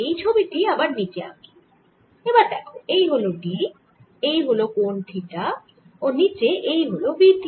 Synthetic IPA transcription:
ejt͡ɕʰobiʈiabaɾnit͡ɕea̰mi | ebaɾd̪ɛkʰoejɦoloɖi | ejɦolokonʈʰiʈa | onit͡ɕeʔejɦolobiʈi

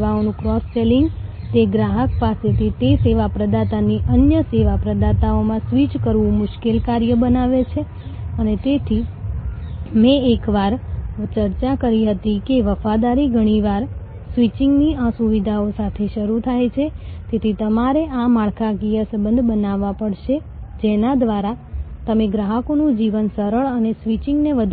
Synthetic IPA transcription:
ʋaonũkɾɔsːeliŋɡ | t̪eɡɾaɦəkpaset̪ʰit̪eseʋapɾəd̪at̪aniʔənjəseʋapɾəd̪at̪aomãsʋit͡ʃkəɾʋũmʊʃkelkaɾjəbənaʋet͡ʃʰe | ənet̪et̪ʰi | mẽekʋaɾt͡ʃəɾt͡ʃakəɾiɦət̪ikeʋəfad̪aɾiɡʱəɽ̃iʋaɾ | sʋit͡ʃɪŋɡniãsuʋid̪ʱaosat̪ʰeʃəɾut̪ʰajt͡ʃʰet̪et̪ʰit̪əmaɾeʔamaɭkʰaɡijəsəbənd̪ʱbənaʋãpəɽʃe | d͡ʒenad̪ʋaɾat̪əmeɡɾaɦəkonũd͡ʒiʋənsəɾəɭənesʋit͡ʃɪŋɡneʋəd̪ʱ

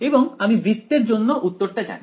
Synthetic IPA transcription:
eboŋamibɾit̪ːeɾd͡ʑonːoʔut̪ːoɾʈad͡ʑa̰n

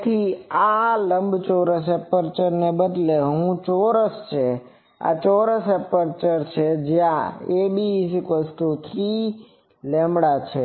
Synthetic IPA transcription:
t̪ʰialəmbt͡ʃɔɾəs̬ɛpəɾt͡ʃəɾnebəd̪leɦũt͡ʃɔɾəst͡ʃʰe | a̰t͡ʃɔɾəsepəɾt͡ʃəɾt͡ʃʰed͡ʒjãebisikʋesʈot̪ʰi | lemɽat͡ʃʰe

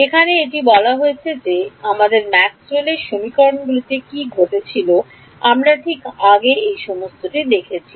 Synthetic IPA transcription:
ekʰaneeʈibɔlaɦoet͡ɕʰed͡ʑeamad̪eɾmɛksueleɾʃomikɔɾonɡulit̪ekiɡʱoʈet͡ɕʰilo | amɾaʈʰikaɡeejʃɔmost̪oʈid̪ekʰet͡ɕʰi

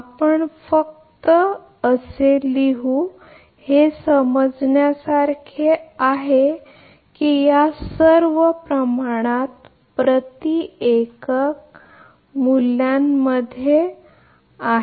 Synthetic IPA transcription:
apəɳfək̚ | t̪ə | əseliɦu | hesəməd͡zɳjasaɾkʰeaɦe | kijasəɾʋəpɾəmaɽ̃at̪̚ | pɾət̪iekək̚ | muljamːəd̪ʱje | aɦ

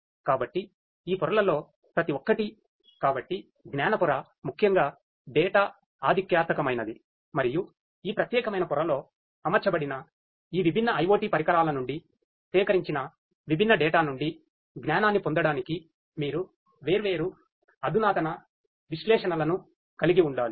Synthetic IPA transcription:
kaːbɐʈːi | iːpɔɾɐlɐlo̞ː | pɾɐt̪iʋokːɐʈi | kaːbɐʈːi | ɡnaːnɐpuɾɐː | mukʰjɐŋɡaː | ɖɛːʈaː | aːd̪ʱikjaːt̪mɐkɐmɐjnɐd̪i | mɐɾiju | iːpɾɐt̪jɛːkɐmɐjnɐpɔɾɐlo̞ː | ɐmɐɾt͡ʃɐbɐɽinɐ | iːʋibʱinːɐɐjʋoːʈiːpɐɾikɐɾaːlɐnuɳɖi | t̪ɛːkɐɾiɲt͡ʃinɐ | ʋibʱinːɐɖɛːʈaːnuɳɖi | ɡnaːnaːnːipond̪ɐɽaːniki | miːɾu | ʋe̞ːɾuʋe̞ːɾu | ɐd̪ʱunaːt̪ɐnɐ | ʋiʃlɛːʂɐnɐlɐnu | kɐliɡiuɳɖaːɾu

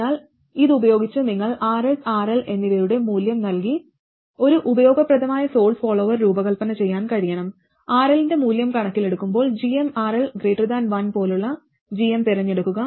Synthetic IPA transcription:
aːl | iðubɐjo̞ːɡit͡ɕːɨniŋːɐɭaːresaːrelʔe̞nːiðɐjuɽe̞muːljɐmnɐlki | o̞ɾuʔubɐjo̞ːɡɐprɐðɐmaːjɐso̞ːɭfoːɭo̞ːʋɐrɾuːbɐɣɐlpɐnɐt͡ɕe̞jːaːnkɐɻijɐɳɐm | aːrelinde̞muːljɐmkɐɳɐkːile̞ɽukːumbo̞ːɭd͡ʑiemaːɾelɡɾeːʈːɐrd̪aːnʋɐnpo̞ːluɭːɐ | d͡ʑijemt̪iɾɐɲːe̞ɽukːuɣɐ

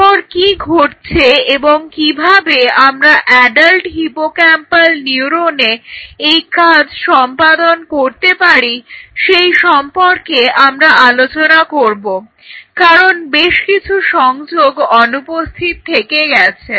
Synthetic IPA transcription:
ɔɾkiɡʱoʈt͡ɕʰeeboŋkibʱabeamɾaʔɛɖalʈɦipokɛmpalniuɾoneejkad͡ʑʃɔmpad̪onkoɾt̪epaɾiʃejʃɔmpoɾkeʔamɾaʔalot͡ɕonakoɾbo | kaɾonbeʃkit͡ɕʰuʃɔŋd͡ʑoɡɔnupost̪ʰit̪t̪ʰːekeɡɛt͡ɕʰe

